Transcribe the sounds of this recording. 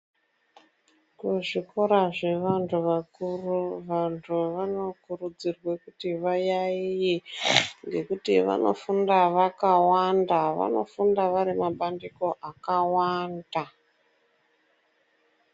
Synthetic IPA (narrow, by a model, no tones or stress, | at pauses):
kuʐiko̞ɾaʐe̞ʋantʰuʋakuruʋantʰuʋano̞kurud͡zirwekutiʋajaijiŋɡe̞kutiʋa̰no̞̰fundaʋakawandaʋa̰no̞̰fundaʋaɾimaɓandiko̞ʔakawaːnda